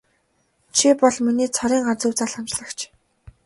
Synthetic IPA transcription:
t͡ɕʰipɔɮminiːt͡sʰɔɾiːŋɢart͡sŭwt͡saːɮχamt͡ɕɮə̆kt͡ɕʰ

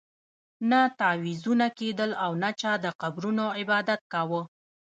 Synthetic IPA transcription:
nat̪awizunaked̪əlawnat͡ʃɑd̪əqabɾunoɪbɑd̪at̪̚kawə

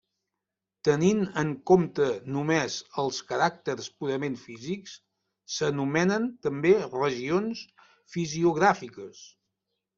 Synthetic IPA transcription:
t̪əninəŋkomt̪ənumezəlˠskəɾak̚t̪əɾspuɾəmeɱfiziks | sənumɛnənt̪əmberəʒions | fiziuɣ̞ɾafikəs

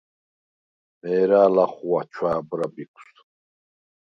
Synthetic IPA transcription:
mɛːɾaːlaχuat͡ʃʰwaːbɾabikʷʰs

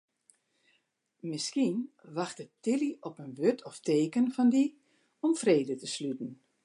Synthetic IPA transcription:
mɪskinʋaxtətɪliɔpənʋøtʰɔfteːkənfɔndi | ɔmfreːdətəslytn̩

